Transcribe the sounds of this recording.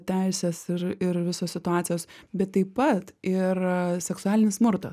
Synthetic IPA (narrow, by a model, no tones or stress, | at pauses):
t̪ʲæɪsʲɛsɪɾɪɾʋʲɪsoːsʲɪt̪ʊɑːt̪sʲɪjoːsbʲɛt̪ːɐɪppɐt̪ɪɾsʲɛksʊɑːlʲɪnʲɪsmʊɾt̪ɐs